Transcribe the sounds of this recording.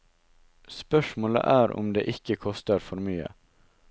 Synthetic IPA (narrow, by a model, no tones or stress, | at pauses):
spœʂmoːlə̰ʔæːɾʊ̰md̪ḛːʔɪkəkʰɔst̪əɾfɔɾmyːə̰